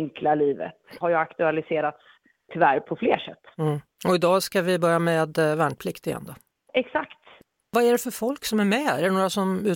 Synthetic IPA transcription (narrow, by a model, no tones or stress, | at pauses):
ŋkʰlaliːvə̰t̪haɾjakt̪ɵalɪseːɾat̪s | t̪ʰːʏvæɾpʰɔfleːʂɛ̰t̪̩ː | ɔɪd̪ɑːskavɪbœɾjamɛeːd̪væɳpʰlɪkt̪ɪjɛ̰nd̪ɔ | ɛksakt̪ | vaæɖɛfœɾfɔlksɔmæɾmɛæɛɳoːɾasɔmʉ̟ː